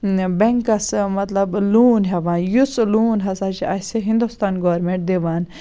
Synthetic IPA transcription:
beŋkɐsmɐt̪lɐbluːnɦɛʋãːnjusluːnɦɐsat͡ʃʰiɐseɦĩnd̪ust̪aːnɡoʋɐɾmẽɳʈ̚d̪eʋaːn

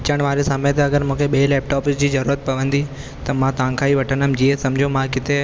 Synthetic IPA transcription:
ɪt͡ɕəɽ̃ʋaːɾesamet̪eɐɡəɾmũːkʰeɓielɛːp̚ʈɔːpɪsd͡ʑiːzɐɾuːɾət̪̚pɐʋə̃nd̪i | t̪ɐmãt̪ɐãːkʰaːiʋɐʈʰənəmd͡ʑiẽsɐmd͡ʑʱomãkɪt̪e

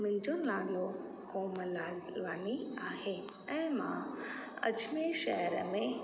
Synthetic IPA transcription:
mɪ̃ɲd͡ʑonaːɾijo | koːməlaːʋaːniaːɦe | ɛ̃ːmã̰ɐ̰d͡ʒmeʃɐɦɾəmẽ

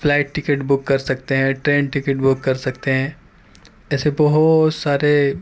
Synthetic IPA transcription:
fʰlaːɪʈʈɪkeʈbʊkːɐɾsɐk̚t̪eɦɛ̃ʈɾẽːɳʈɪkɪʈbʊkːɐɾsɐkt̪eɦɛ̃ː | ɛːsebɐɦʊt̪saːɾe

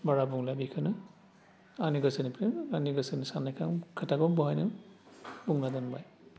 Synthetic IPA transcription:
baɾabuŋlabikʰɯnɯ | aniɡasɯnipɾemaniɡasɯnisanːajkʰaŋkʰɯtaɡɔbuɦajnɯ | buŋladanbaj

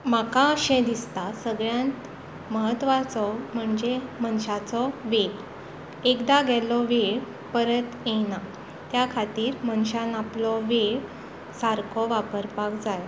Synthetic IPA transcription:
makãəɕɛ̃d̪ist̪asəɡɭjãnt̪ | məɦət̪ːʋat͡sɔm̤əɳd͡zemənɕat͡sɔʋeɭ | ekd̪aɡɛlɔʋeɭ | pəɾət̪ena | t̪jakʰat̪iːɾmənɕanaplɔʋeɭ | saɾkʰɔʋapəɾpakd͡zaj

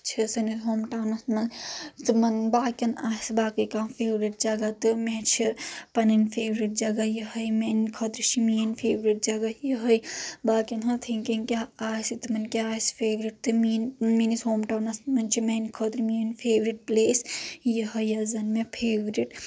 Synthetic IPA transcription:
t͡ʃʰisɐnisɦoːmʈawnɐsnɐt̪imɐnbaːkʲɐnaːisbaːkɨkãːpʰeːʋɾiʈ̚d͡ʒɐɡat̪ɨmet͡ʃʰipɐnɐnpʰeːʋɾiʈ̚d͡ʒɐɡajiɦɐjmenkʰɐt̪ɾit͡ʃʰiminpʰeːʋɾiʈ̚d͡ʒɐɡajəɦɐjbaːkʲɐnɦɐt̪ʰiŋkɐnkʲaaːsit̪imɐnkʲaaːspʰeːʋɾiʈ̚t̪ɨminminisɦoːmʈaːwnɐsnɐnt͡ʃʰimenkʰot̪ɾimiːnpʰeːʋɾiʈ̚pleːsjiɦɐjɐzɐnmepʰeːʋɾiʈ

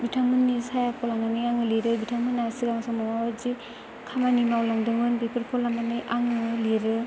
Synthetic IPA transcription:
bitʰaŋmɯnːisajapʰɔlananɯjaŋɯliɾɯbitʰaŋmɯnːasiɡaŋasɔmamawzi | kʰamaninawlaŋdɯŋɯnbepʰɯɾpʰɔlananɯjʔaŋɯliɾɯ

